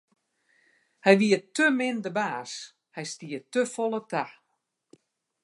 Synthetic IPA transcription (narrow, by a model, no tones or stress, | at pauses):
hɛjʋiətømɪndəbaːs | hɛjstiətøfɔlˠətʰa